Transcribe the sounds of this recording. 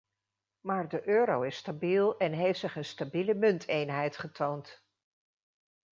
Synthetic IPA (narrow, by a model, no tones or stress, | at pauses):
maːɹdəʔøːɾowɪstabilˠɛnɦejftsɪχənstabiləmɵntʰejnɦɛjtχətʰownt